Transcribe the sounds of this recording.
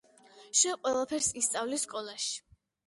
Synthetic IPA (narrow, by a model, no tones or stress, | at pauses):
ʃɛqʼwɛlˠapʰɛɾsist̪sʼavlisːkʼɔlˠaʃi̥